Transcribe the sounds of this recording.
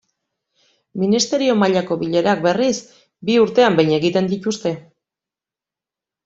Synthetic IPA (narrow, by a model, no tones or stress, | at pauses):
minist̪e̞ɾio̞maʎako̞βiʎe̞ɾak̚be̞ris | biuɾt̪e̞ambejɲe̞ɣit̪e̞nd̪it̪ust̪e̞